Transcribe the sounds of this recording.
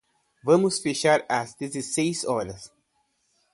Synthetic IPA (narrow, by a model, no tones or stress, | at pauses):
vɐ̃mʊsfeʃaɾɐzd̪ezesejzɔɾɐs